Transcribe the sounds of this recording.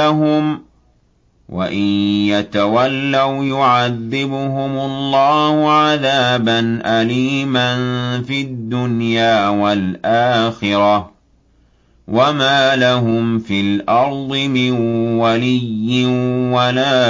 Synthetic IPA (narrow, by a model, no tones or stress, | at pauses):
aɦʊm | wʔa̰ʔɪnjat̪awalːawjʊʕaðːɪbʊɦʊmʊlˤːɑːhʊʕaðaːbanʔaliːmanfiːad̪ːʊnjaːwalʔaːxɪɾɑ | wʔamaːlaɦʊmfilʔɑɾˤd̪ˤɨmɪnwalɪjːɪnwalaː